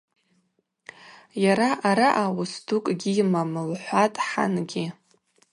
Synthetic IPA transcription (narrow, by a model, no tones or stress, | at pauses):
jaɾaʔaɾaʔawʊsdʰukʼɡʲijmamɨlħʷatʼħa̰nɡʲi